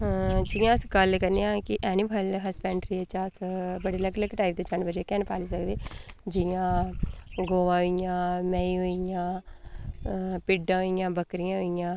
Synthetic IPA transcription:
d͡ʒɪjãːsɡəlkəɾniãːkɪʔɛːnibəlɦəspɛ̃ːɳʈɾiːet͡ʃaːsbəɽeːləɡləɡʈaːip̚d̪eːt͡ʃəɳbəd͡ʒeːkɛːnpaːliːsəkd̪iːd͡ʒɪjãː | ɡoːʋãːɦoijãːmɛːiːɦoijãː | pɪɖãːɦoijãːbəkɾijãːɦoijãː

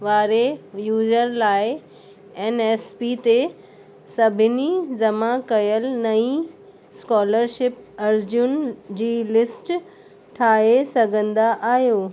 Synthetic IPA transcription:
ʋaːɾejuːd͡ʑəɾlaːɪ | eːneːspit̪e | sɐbʱɪnid͡ʑɐmakɐjəlnɐĩ | skɔːləɾʃɪp̚ɐɾd͡ʑʊnd͡ʑiːlɪsʈ | ʈʰaːɦesɐɡʱə̃nd̪aʔaːɦijoː

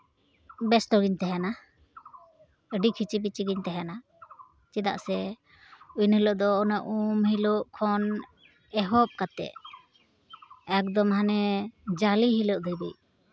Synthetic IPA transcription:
bɛsʈɔɡiɲt̪ɛɦɛna | əɖikʰit͡ʃibit͡ʃiɡiɲt̪ɛɦɛna | t͡ʃid̪a̰ʔsɛ | ujnhilɔʔd̪ɔːnaʔumhiluʔkʰɔn | ɛɦɔp̚kat̪ɛ̰ʔ | ɛk̚d̪ɔmhanɛd͡ʒaliɦilɔʔd̪ujbic̚

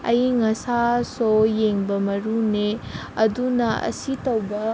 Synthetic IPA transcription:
ɐ̰jŋɐsasojeŋbɐmɐɾune | ɐdunɐʔɐ̰sitɐwbɐ

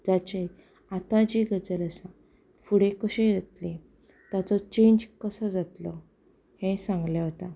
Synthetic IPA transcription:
d͡ʑat͡ɕe | at̪ad͡ʑiɡʱəd͡zələsã | fuɽekəɕedet̪lẽ | t̪jat͡sɔt͡ɕeɲd͡ʑkəsəd͡zat̪lɔ | hẽsãŋɡljaɦət̪ã

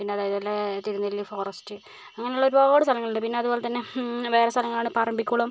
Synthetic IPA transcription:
pinːeɐðaːjɐðilːet̪iɾunːilːifo̞ːrɐstɨ | ɐŋːɐne̞uɭːo̞ɾuboːɽɨst̪ʰɐlɐŋːɐɭuɳɖɨpinːe̞ɐðubo̞ːle̞t̪ɐnːe̞ʋe̞ːɾest̪ʰɐlɐŋːɐɭaːɳɨpaːɾɐmbʱikʲːuɳɐm

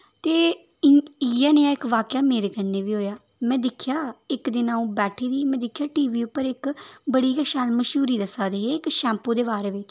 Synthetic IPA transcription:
t̪eː | iːjaːneːãːɪkʋaːkɪjaːmeːɾeːkənːeːʋiːɦoːjaː | mɛ̃ːd̪ɪkʰjaːɪkd̪ɪːnaːũːbɛːʈʰiːd̪iːmɛ̃ːd̪ɪkʰjaːʈiːʋiːʊpːəɾɪkbəɽiːkəʃaːlməʃuːɾiːd̪əsaːd̪eːɦeːɪkʃɛ̃ːmpõːd̪eːbaːɾeːʋɪ

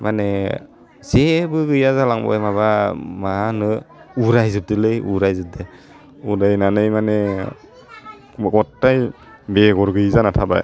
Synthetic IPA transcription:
mane | sebɯɡɯjazalaŋbɔ̰jmaβamanɯuɾajzɯp̚dɯlɯjuɾajzɯp̚dɯj | uɾajnanɯjmane | ɡɔtːaj | beɡɔɾɡɯjzanatʰaba̰j

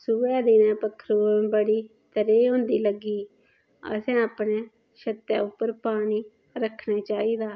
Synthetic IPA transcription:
suʋɛːd̪inɛ̃ːpəkʰːɾuːbəɽiː | t̪əɾeːɦõːnd̪iːləɡiː | ə̰sɛ̃ːaːpneː | ʃət̪ːjaːʊpːəɾpaːniː | ɾəkʰnaːt͡ʃaːiːd̪aː

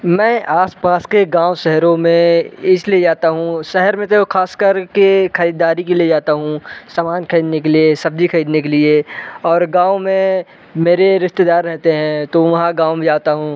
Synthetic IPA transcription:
mɛ̃ːʔaːspaːskeɡãːʋʃɛɦɾõmẽɪslied͡ʒaːt̪aɦũʃɛɦɛɾmẽt̪okaːskəɾkekʰɐɾiːd̪aːɾikelied͡ʒaːt̪aɦũsaːmaːnkʰɐɾiːd̪nekeliesɐb̚d̪ʱikʰɐɾiːd̪nekelieɔːɾɡãːʋomẽ | meːɾeɾɪʃt̪ed̪aːɾːɛɦt̪eɦɛ̃t̪oʋɐɦãɡãːwmẽd͡ʒaːt̪aɦũː

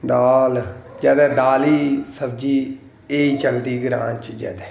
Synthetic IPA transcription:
d̪aːld͡ʒɛːd̪ɛːd̪aːliːsəb̚d͡ʒiː | eːiːt͡ʃəld̪iːɡɪɾã̰ːnt͡ʃd͡ʒɛ̰ːd̪ɛː

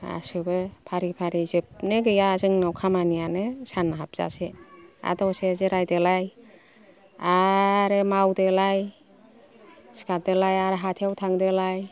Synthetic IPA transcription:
a̰sɯbɯpʰaɾipʰaɾizɯp̚nɯɡɯjazɯŋnawkʰamanijanɯsanaɦap̚z̥a̰sea̰dɔwsezɯɾajdelaj | aɾɯmawdelaj | si̥kʰadelajaɾɦatʰiawtʰaŋdelaj

